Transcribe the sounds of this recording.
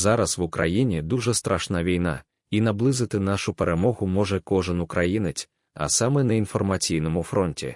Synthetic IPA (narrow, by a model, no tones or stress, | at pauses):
zaɾɐswukɾa̰jinʲid̪uʐɛst̪ɾʔaʂnaʋʲijna̰ | in̪ablˠɨzɨt̪ɪnaʂupɛɾɛmɔɣʊmɔʐɛkɔʐɨnukɾajinɪt͡sʲ | ɐ̰samɛnɐinfɔrmat͡sʲijnɐmufɾɔnʲtʲḭ